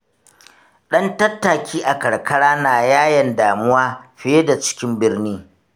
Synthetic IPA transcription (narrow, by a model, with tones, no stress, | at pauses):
ɗɐ˦ntɐ˦tːa˨kʲʰiː˦ʔa˨kɐ˨ɽkʰɐ˦ɽaː˦naː˨jaː˦jɐ˨ndaː˨mʊ˦waː˦ɸɪ˦e˦da˨t͡ʃɪ̥˦kʲɪ˦mbɪ˦rniː˦